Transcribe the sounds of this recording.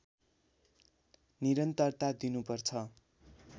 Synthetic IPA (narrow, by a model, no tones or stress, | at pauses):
niɾʌnt̪ʌrt̪ad̪inupʌrt͡sʰʌ